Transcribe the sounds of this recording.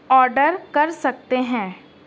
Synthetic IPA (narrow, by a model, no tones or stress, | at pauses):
ɔːɾɖəɾkɐɾsɐk̚t̪eɦɛ̃ː